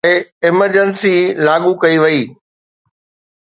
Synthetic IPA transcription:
eɪməɾd͡ʑənsilaːɠukɐiʋɐiː

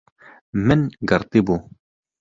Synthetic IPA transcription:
mɪnɡɨɾt̪ibu

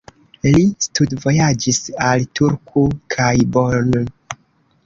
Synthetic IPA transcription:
listudvo̞jad͡ʒisaltuɾkʰokʰajboɾn

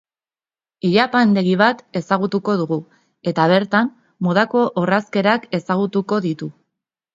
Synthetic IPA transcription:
iʎapand̪e̞ɣiβ̞at̪e̞saɣut̪uko̞ð̞uɣu | e̞t̪aβ̞e̞ɾt̪am | mo̞ð̞ako̞ʔoraske̞ɾake̞saɣ̞ut̪uko̞ðit̪u

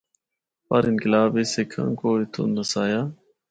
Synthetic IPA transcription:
paɾɪnkɪlaːbeːsekʰã̰ːkoːɪt̪ʰõ̰ːnəsaːjaː

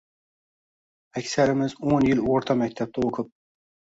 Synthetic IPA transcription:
ækʲsæɾɪmɪzonjɪloɾt̪ʰɑmæk̚ʲt̪ʰæp̚t̪ʰɑoqʰɨp̚

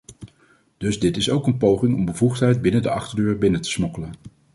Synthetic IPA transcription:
d̥ɵzdɪtɪsowkənpowχɪŋɔmbəvuχtɦɛjd̚bɪnəndəʔɑχtəɹdøːɹbɪnətə̥smɔkələn

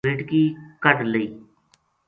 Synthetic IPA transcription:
ɪʈkiːkəɖləiː

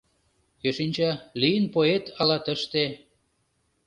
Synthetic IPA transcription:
køʃinʲt͡ɕɑlijənpoet̪ʰɑlɑt̪əʃt̪e

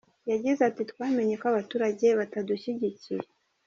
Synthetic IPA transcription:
jaɟizatitkwaːme̞ɲe̞koaβatuːɾaɟe̞βataduɕiɟicije

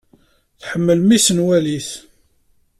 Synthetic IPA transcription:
θħəmːəlmisənwæliθ

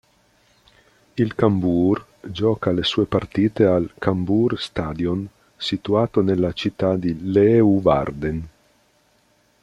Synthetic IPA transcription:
ilkambur | d͡ʒɔːkalesuːepart̪iːt̪ealkamburst̪ad̪jon | sit̪uaːt̪onelːat͡ʃit̪ːad̪ileuva̰rd̪en

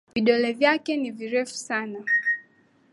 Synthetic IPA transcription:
viɗɔlɛvjakɛniviɾɛfu̥sana

